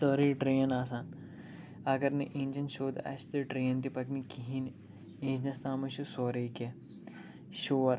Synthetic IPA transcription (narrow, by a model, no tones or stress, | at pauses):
soɾiɖɾeːɐnaːs̬aːn | ɐɡɐɾneʔĩːnʲd͡ʒɐnʃoːd̪ɐ̰st̪eɖɾeːɐnt̪ipɐknikiɦĩn | ẽːnd͡ʒnɐst̪aːmɐʃusoːɾeke | ʃoːɐɾ